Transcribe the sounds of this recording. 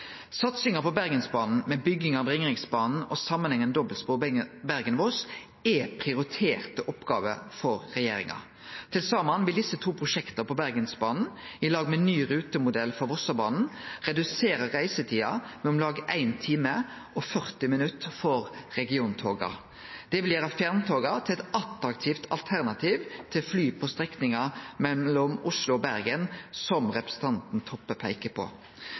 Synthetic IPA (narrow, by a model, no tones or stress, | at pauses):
sɑt̪sɪŋəpɔbæʁɡənsbɑːnn̩mɛbʏɡːɪŋɑʋʁɪŋɾɪŋsbɑːnn̩ɔsɑmːənhɛŋːənd̪ɔbəlspuːbæɾɡənʋoːs | ɛpʰʁɪʊɾɪt̪ʰeːʁt̪əʔɔpɡɑ̰ːʋə̰fɔɾːɛjeːɾɪ̰ŋɑ̰ | t̪ʰɪlsɑːmɑnʋɪld̪ɪsət̪ʰuːpʰɾʊʂɛkt̪əpʰɔbæʁɡənsbɑːnn̩ɪlɑːɡmɛnyːɾʉːt̪əmʊd̪ɛlːfɔɾʋɔsɑbɑːnn̩ʁɛd̪ʉseːɾəʁæɪsət̪ʰiːɑmɛɔmlɑːɡʔæɪnt̪ʰiːməʔɔfœʁt̪ɪmɪnʉt̪fɔɾɾɛɡɪuːnt̪ʰoːɡɑ̰ | d̪̥ɛʋɪljæːɾəfjæʁnt̪ʰoːɡɑt̪ʰɪlɛt̪ɑt̪ɾɑkt̪ʰiːft̪ʰɑ̰lt̪ʰæʁnɑt̪ʰiːʋt̪ʰɪlflyːpʰɔst̪ʁɛknɪŋɑmɛɔmʊslʊɔbæɾɡənsɔmʁɛpɾəsət̪ʰɑnt̪n̩t̪ʰɔpːəpʰæɪkəpʰo̰